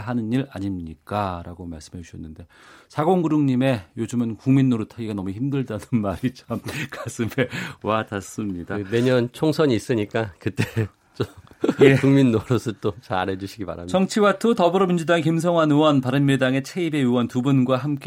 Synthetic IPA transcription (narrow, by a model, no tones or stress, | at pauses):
ɦanɯniɾa̰ɲimɲik͈aɾaɡoma̰ɭs͈ɯ̥mɦed͡ʑuɕʰʌnːɯnde̞ | sʰaɡoŋɡɯɾɯŋɲime̞jod͡ʑɯmɯnkuŋminːoɾɯtʰaɡiɡanʌmuçimdɯɭdanɯnmaɾit͡ɕamkas͈ɯme̞watas͈ɯmɲidane̞ɲʌnt͡ɕʰoŋsʰʌɲiːs͈ɯɲik͈akɯt͈e̞ | t͡ɕ͈o | jekuŋminːoɾosʰʌt͈ot͡ɕaɾed͡ʑuɕʰiɡipa̰ɾamt͡ɕʌŋt͡ɕʰiwatʰotʌbɯɾʌmind͡ʑudaŋekims̬ʰʌŋwanɯwʌnpaɾɯnmiɭdaŋe̞t͡ɕʰe̞ibe̞juwʌntubunɡwaɦamk͈e